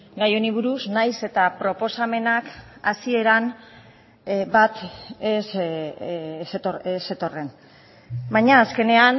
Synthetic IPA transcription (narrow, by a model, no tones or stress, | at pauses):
ɡajoniβ̞uɾuznajse̞t̪apɾo̞po̞same̞nakasie̞ɾan | bat̪es | st̪oese̞t̪o̞re̞n | bajɲaːske̞ne̞an